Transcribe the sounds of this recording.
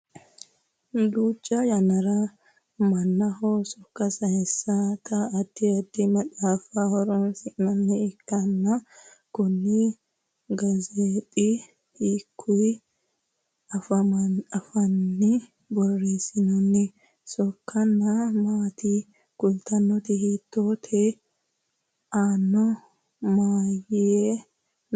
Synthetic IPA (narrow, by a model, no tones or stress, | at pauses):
d̪uːt͡ʃʼːɐjɐnɐɾɐ | mɐnːɐhosɔkːɐsɐhɛsːat̪ɐːd̪̥ːɪɐd̪ːɪmɐᶑaːfahɔɾɔnsɪʔnɐnːɛɪkːɐnːɐ | kʊnːɪ | ɡɐzeːt̪ʼi | ikʰːʊ | ɐfɐɐɐfɐnːɪ | bɔrːeːsɪnɔnːɪ | sɔkːɐnːɐmaːt̪i | kʊlt̪ɐnːɔt̪ɪhiːt̪ːoːt̪ʰɛ | ʔaːnːɔ | maːjɪe